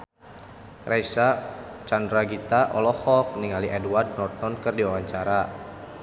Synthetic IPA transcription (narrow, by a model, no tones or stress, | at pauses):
rʔajsat͡ʃandɾaɡit̪aʔɔlɔhɔk̚niŋaliʔɛduward̚nɔrt̪̚mɔnkɨrdiwawaɲt͡ʃaɾa